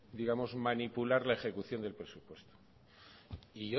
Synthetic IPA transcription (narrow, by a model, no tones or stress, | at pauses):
d̪iɣamo̞zmãnipulaɾlae̞xe̞kuθjo̞nd̪e̞lpɾe̞supwe̞st̪o̥ | iʝo